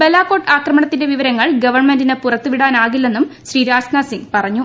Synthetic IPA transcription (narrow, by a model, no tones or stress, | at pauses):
belːaːkːo̞ːʈːaːkrɐmɐɳɐt̪ːinde̞ʋiʋɐɾɐŋːɐɭɡɐʋɐrɳmendinepurɐt̪ːuʋiɽaːnaːɣilːe̞nːumɕriːɾaːɕnaːsiŋɡpɐrɐɲːu